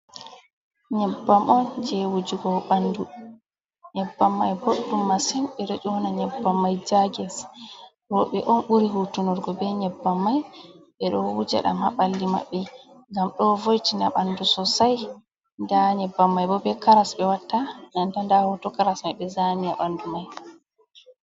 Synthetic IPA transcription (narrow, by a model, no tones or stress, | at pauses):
ɲɛbːamʔɔnd͡ʒɛwud͡ʒuɡɔɓandu | ɲɛbːamːajboɗːumːasɛnɓɛɾed͡ʒɔɔnaɲɛbːamːajd͡ʒaɡɛs | ɾɔɓɛʔɔnɓuɾiɦutunɔɾɡɔbɛɲɛbːamːajɓɛɗɔwud͡ʒa̰ɗa̰mha̰ɓalːima̰ɓːɛ | ŋɡamɗɔvojtinaɓandusɔsaj | ndaɲɛbːamːajbɔbɛkaɾasɓɛwatːanantandahɔtɔkaɾasmajɓɛzanija̰ɓandumaj